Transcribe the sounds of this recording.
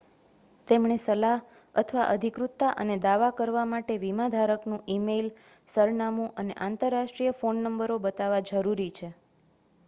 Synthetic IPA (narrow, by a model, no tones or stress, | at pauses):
t̪emɳesəlaɦ | ə̰t̪ʰʋaʔəd̪ʱikɾut̪ːaʔəned̪aʋakəɾʋamaʈeʋimãd̪ʱaɾəknũʔimelsəɾnamũʔəneʔãnt̪əɾːaʃʈɾijəfonːəmbəɾobət̪aʋad͡ʒəɾuɾit͡ʃʰe